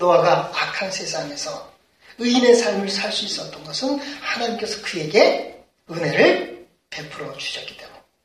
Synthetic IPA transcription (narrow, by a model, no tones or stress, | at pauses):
nowaɡaːkʰansʰe̞sʰaŋe̞sʰʌ | ɯine̞sʰaɭmɯɭsʰaɭs͈uis͈ʌt͈ʌnɡʌsʰɯnhanaɲimk͈e̞sʰʌkɯje̞ɡe̞ | ɯne̞ɾɯɭ | pe̞pʰɯɾʌd͡ʑu̥ɕʰʌtk͈i̥t͈e̞mu